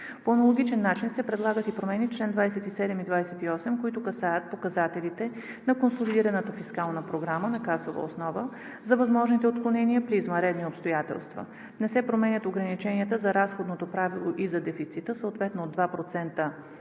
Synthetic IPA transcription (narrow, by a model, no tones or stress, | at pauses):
poɐnɐlˠoɡ̟it͡ʃɛnːat͡ʃinsɛpɾɛd̪lˠaɡət̪ipɾomɛnit͡ʃlɛnd̪vajsɛt̪isɛd̪ɛmid̪vajsɛt̪iɔsɛmkoit̪ʊkɐsajət̪̚pokɐzat̪ɛlit̪ɛ | nɐkonsolid̪iɾɐnət̪əfiskalˠnəpɾoɡɾamənɐkasovə̰osnɔvə | zɐvɐzmɔʒnit̪ɛot̪̚klˠonɛniəpɾiːzmɐɾɛd̪niopst̪ojat̪ɛ̰lˠst̪və̰ | nɛsɛpɾomɛnʲət̪oɡɾɐnit͡ʃɛniət̪əzɐɾasxod̪not̪opɾavilˠoʔizɐd̪ɛfit̪sit̪əsəoːt̪vɛt̪noːd̪vapɾot̪sɛnt̪ə